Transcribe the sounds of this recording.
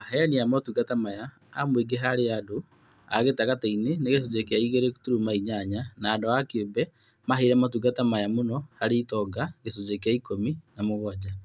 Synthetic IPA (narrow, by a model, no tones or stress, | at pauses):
ahɛaniamatuɡatamaja | amweɡeɦaɾeado | a̰ɣetaɣataineneɣes̬od͡ʒekeaiɣeɾeku̥tuɾumaiɲaɲanaːdoakobɛ | maɦeiɾɛmatuɣɡatamajamonɔhaɾeitɔɡaɣesod͡ʒekeaikominamoɣɔd͡ʑa